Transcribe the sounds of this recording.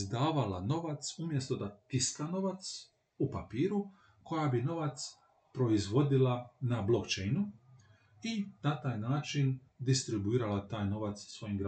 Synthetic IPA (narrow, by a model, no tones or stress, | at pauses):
zd̪aːʋala̰no̞ʋat̪sumje̞st̪o̞d̪at̪isk̪ano̞ʋat̪s | upapiːɾu | ko̞jabino̞ʋat̪s | pɾo̞izʋo̞d̪ilanablo̞kt͡ʃejnu | inat̪aːjnaːt͡ʃin | d̪ist̪ɾibuiːɾalat̪aːjno̞ʋat̪ssʋo̞jimɡɾa